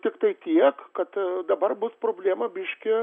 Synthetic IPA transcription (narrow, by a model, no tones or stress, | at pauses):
t̪ʲɪkt̪ɐɪt̪ʲiɛkkɐt̪d̪ɐbɐrbʊspɾoːbʲlʲeːmɐbʲɪʃʲkʲɪ